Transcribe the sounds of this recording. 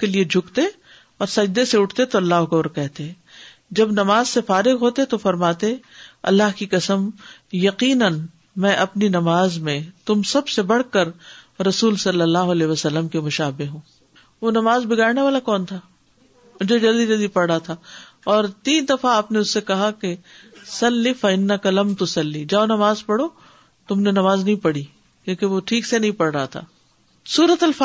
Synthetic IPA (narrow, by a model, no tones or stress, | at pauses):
kelied͡ʒʱʊkt̪e | ɔːɾsɐd͡ʒd̪eseʊʈʰt̪et̪oɐlːaːɦʊkɐbɾkɛɦt̪eɛ̃ | d͡ʒɐbnɐmaːzsefaːɾɪɣɦoːt̪et̪ofɐɾmaːt̪eɐ̰lːaːɦkikɐsəm | jɐqiːnən | mɛ̃ːʔɐpninɐmaːzmẽt̪ʊmsɐbsebɐɽ̤kəɾɾɐsuːlsɐlːəlːaːɦʊɐlɛːʋɐsɐlːəmkemʊʃaːbeɦɦũː | ʋonɐmaːzbɪɡaːɾneʋaːlakɔːnt̪ʰaː | ʊd͡ʒod͡ʒɐld̪id͡ʒɐld̪ipɐɽɾaɦat̪ʰaː | ɔːɾt̪iːnd̪ɐfaaːpneʊsːekɐɦakesɐlːifɐɪnːɐkɐlɐmt̪ʊsɐlːid͡ʒaːonɐmaːzpɐɽo | t̪ʊmnenɐmaːznɐɦĩpɐɽi | kjõːkeʋoʈʰiːksenɐɦĩpɐɽɾɐɦat̪ʰa̰ː | suːɾət̪ɐlf